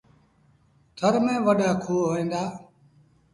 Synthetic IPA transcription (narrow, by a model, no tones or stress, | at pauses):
t̪ʰəɾmẽːʋəɗaːkʰuːɦoːĩːnd̪aː